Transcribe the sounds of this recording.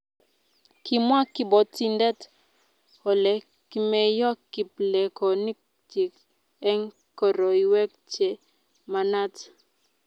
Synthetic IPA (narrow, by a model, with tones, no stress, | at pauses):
ki˨mwa˦kɪ˦bɔ˨ti˦ndɛ˦t | hɔ˨lɛ˨ | ki˦mɛ˦jɔ˦kːi˨p̚lɛ˨kɔ˨ni˦k̚ | ti˨k | ɛ˦ŋ | kɔ˨ɾɔ˨i˨wɛ˦k̚t͡ʃe˨ | ma˨na˦t